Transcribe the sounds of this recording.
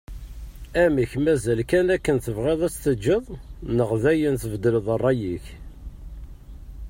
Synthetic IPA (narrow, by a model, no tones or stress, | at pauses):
æmiçmæzælkænækːənθəvʁeðˤæt͡sːθəd͡ʒːəðˤnəʁðæjənθəvd̪ələðˤərˤːɑjiç